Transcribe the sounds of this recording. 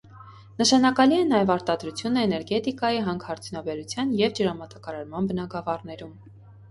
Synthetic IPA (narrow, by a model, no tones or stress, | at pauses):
nəʃɑnɑkɑliɛnɑjɛvɑɾt̪ɑd̪ɾut͡sʰjunəɛnɛɾɡɛt̪ikɑjiɦɑŋɡhɑɾt͡sʰjunɑbɛɾut͡sʰjɑnjɛvd͡ʒəɾɑmɑt̪ɑkɑɾɑɾmɑnbənɑɡɑvɑrnɛɾum